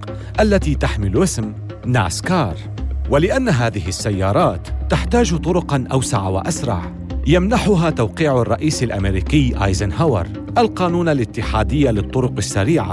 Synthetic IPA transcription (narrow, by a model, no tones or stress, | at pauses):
ʔalːat̪iːt̪aħmɪlʔɪsm | na̰skɑːɾˤ | walɪʔanːaɦaːðɪɦɪsːajːɑːɾˤɑːt̪ːaħt̪aːd͡ʒt̪ˤʊɾʊqnʔawsaʕawa̰ʔasɾˤɑ̰ʕ | jamnaħʊɦaːt̪awqiːʕarˤːɑʔiːsalʔameɾiːkɪjːʔaːjzanhawɑ̰ɾˤ | ʔalqɑːnuːnalʔɪt̪ːɪħaːd̪ɪjːalɨt̪ˤːʊɾʊqasːaɾiːʕa̰